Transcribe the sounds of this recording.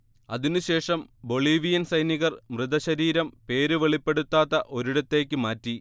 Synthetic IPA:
ɐðinɨɕe̞ːʂɐmbo̞ɭiːʋijɐnsɐjniɣɐrmrɨðɐɕɐɾiːɾɐmpe̞ːɾɨʋeɭipːe̞ɽut̪ːaːt̪ːɐʔo̞ɾuɽɐt̪ːe̞ːkʲːɨmaːtːi

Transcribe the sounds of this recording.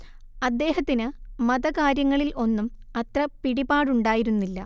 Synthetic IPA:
ɐd̪ːe̞ːɦɐt̪ːinɨmɐðɐkaːɾjɐŋːɐɭilʔo̞nːumɐt̪rɐpiɽibaːɽuɳɖaːjiɾunːilːɐ̰

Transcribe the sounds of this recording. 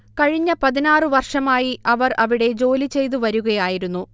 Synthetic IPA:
kɐɻiɲːɐpɐðinaːrɨʋɐrʂɐmaːjiɐʋɐrɐʋiɽe̞d͡ʑo̞ːlit͡ɕe̞jt̪̬uʋɐɾuɣɐjaːjiɾunːu

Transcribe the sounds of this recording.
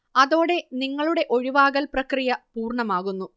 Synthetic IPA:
ɐðo̞ːɽe̞niŋːɐɭuɽe̞ʔo̞ɻiʋaːɣɐlprɐkrijɐpuːrɳɐmaːɣunːu

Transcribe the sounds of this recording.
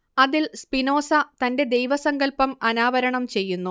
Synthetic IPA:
ɐðilspino̞ːsɐt̪ɐnde̞d̪ejʋɐsɐŋɡɐlpɐmɐnaːʋɐɾɐɳɐmt͡ɕe̞jːunːu

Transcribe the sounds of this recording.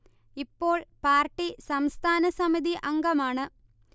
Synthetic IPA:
ipːo̞ːɭpaːrʈːisɐmst̪ʰaːnɐsɐmiðiʔɐŋɡɐmaːɳɨ

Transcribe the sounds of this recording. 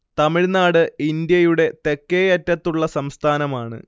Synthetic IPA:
t̪ɐmiɻnaːɽɨind̪jɐjuɽe̞t̪ekːejɐtːɐt̪ːuɭːɐsɐmst̪ʰaːnɐmaːɳɨ̰

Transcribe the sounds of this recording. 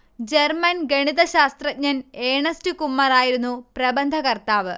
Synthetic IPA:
d͡ʑermɐnɡeɳiðɐɕaːst̪rɐt̚ɲɐneːɳɐstɨkumːɐraːjiɾunːuprɐbɐnd̪ʱɐkɐrt̪aːʋɨ

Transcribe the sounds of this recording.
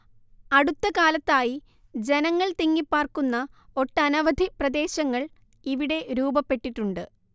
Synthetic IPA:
ɐɽut̪ːɐkaːlɐt̪ːaːji | d͡ʑe̞nɐŋːɐɭt̪iŋːipːaːrkunːɐ | o̞ʈːɐnɐʋɐd̪ʱiprɐd̪e̞ːɕɐŋːɐɭ | iʋiɽe̞ɾuːbɐpːe̞ʈːiʈːuɳɖɨ

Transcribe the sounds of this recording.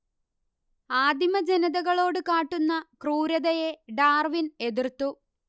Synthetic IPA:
aːd̪ʱimɐd͡ʑenɐðɐɣɐɭo̞ːɽɨkaːʈːunːɐkruːɾɐðɐjeɖaːrʋine̞ðirt̪ːu

